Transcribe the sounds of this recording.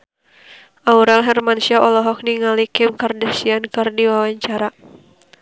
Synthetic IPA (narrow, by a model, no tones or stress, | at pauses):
ʔauɾalɦɛrmanusiaʔɔlɔɦɔk̚niŋalikɪmkardasiankɨrdiwawaɲt͡ʃaɾa